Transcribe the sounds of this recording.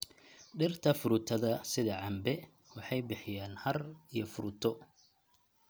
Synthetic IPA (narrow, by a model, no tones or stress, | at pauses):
ɖɪrt̪ʰɐfʊɾʊt̪ʰɐðɐsɪðɐʕɑmbɛ | wɑħɑjbɪħɪjaːnhɐrijɔfʊɾʊt̪ʰɔ